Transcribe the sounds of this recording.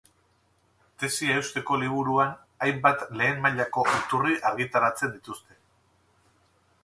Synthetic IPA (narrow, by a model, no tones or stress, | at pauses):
t̪e̞siaewst̪e̞ko̞liβ̞uɾuan | ajmbat̪le̞ːmːaʎako̞ʔit̪uriʔaɾɣit̪aɾat͡se̞nd̪it̪ust̪e̞